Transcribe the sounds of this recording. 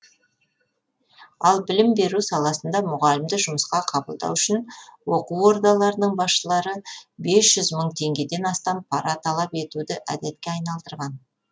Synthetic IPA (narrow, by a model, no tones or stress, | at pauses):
ɑlˠbɪlɪmbe̞ɾusɑlˠɑsənd̪ɑmʊʁɑlɪmd̪ɪʒʊməsqɑqʰɑbəlˠd̪ɑ̰wʏʃɪnwoquwwo̞ɾd̪ɑlˠɑɾənəɴbɑsʃəlˠɑɾəbe̞sʒ̥ʏzməɴt̪ʰe̞ŋɡʲe̞d̪e̞nɑst̪ɑmpʰɑɾɑt̪ʰɑlˠɑpe̞t̪ud̪ɪʔæd̪et̪̚kʲeɑjnɑlˠd̪əɾʁɑn